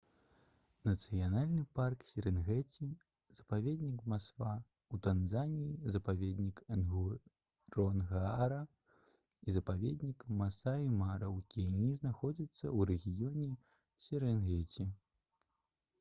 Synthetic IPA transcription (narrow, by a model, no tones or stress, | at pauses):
nɐt̪sɨjanalʲnɨparksʲɛɾɛnɣɛt͡sʲi | z̥ɐpavʲed̪ʲnʲikmaskva | ut̪anzanʲijizɐpavʲed̪ʲnʲikɐnɣu | ɾɔnɣaɾɐ | izɐpavʲɛd̪ʲnʲikmasaimaɾɐwkʲilnʲiznaxɔd͡zʲit̪sːɐ̰wɾɛɣʲijɔnʲɛ | sʲɛɾɛnɣɛt͡sʲi